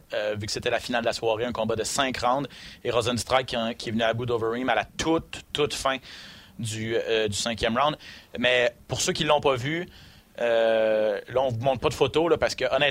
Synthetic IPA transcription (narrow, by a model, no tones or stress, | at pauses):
øvykə̥set̪ɛlafinald̪əlaswaːʁeɛ̃kɔ̃bad̪əsɛ̃kʁɑ̃w̃d̪eʁɔzɛ̃nst̪ʁajkʲːkʲʰːiɛvnyabud̪ovəʁimalat̪ʰʊt̪ːʊt̪fɛ̃d̪yd̪ysɛ̃kʲjɛmʁãd̪mɛpʊʁsøkʲilːɔ̃pɔvy | ø | lʌɔ̃vumɔ̃t̪̚pʌd̪əfot̪olʌpaʁsə̥kəʔɔnɛ